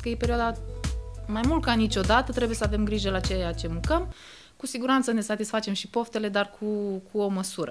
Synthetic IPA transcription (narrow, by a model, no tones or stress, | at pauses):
kəjepe̞ɾioad̪a | majmult̪kanit͡ʃʲo̞d̪at̪ət̪ɾeuje̞səave̞mɡɾiʒəlat͡ʃe̞jat͡ʃe̞mukəm | kusiɡuɾant̪səne̞sat̪isfat͡ʃe̞mʃipo̞ft̪e̞le̞d̪arkʰukʰuo̞məsuɾə